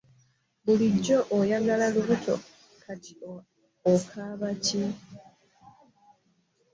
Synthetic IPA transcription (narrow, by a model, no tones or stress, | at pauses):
βuliɟːo̞ʔojaɡalaluβutʰo̞̰ | kʰati̥ | okʰaːβaci